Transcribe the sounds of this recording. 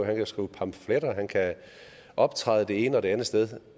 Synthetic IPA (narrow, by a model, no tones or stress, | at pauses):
ɦænkʰæsɡ̥upʰɑ̈mfleɾ̥ɐɦænkʰæ | ʔɒ̽b̥̚t͡sʰʁɑ̈ðˠəd̥e̝e̝ːnəɒde̝ænð̩ˠsd̥eð̞ˠ